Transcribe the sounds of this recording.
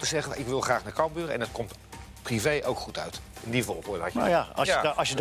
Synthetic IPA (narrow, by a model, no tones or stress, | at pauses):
təzɛχənnɪkʋɪlˠχraːχnakɑlˠbyːɾəɛ̰nətkɔmt | privejʔowkχutʰœ̰ɥtɪndivɔ̰lˠkoːdəɑ̰ja̰sjə